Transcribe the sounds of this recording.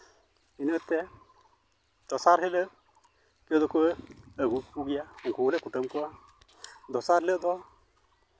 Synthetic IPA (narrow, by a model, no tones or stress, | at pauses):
inət̪ːɛ | d̪̥ɔsaɾɦelə | ked̪ɔkuəɡupuɡijauŋkulɛkuʈəmkɔa | d̪ɔsaɾɦeləʔd̪ɔ